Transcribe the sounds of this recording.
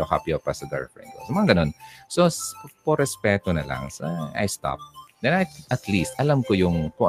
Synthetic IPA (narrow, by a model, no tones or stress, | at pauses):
oka̰piopɐsɐd̪ɛ̰ɹfɹɛ̰nd̪o̰sɐmɐŋaɡɐno̞nsospoɾɛspɛːt̪onɐlɐ̰ŋsɐa̰jst̪a̰p̚d̪ɛnat̪ʔɐt̪list̪ʔɐlamkojʊŋpoʔ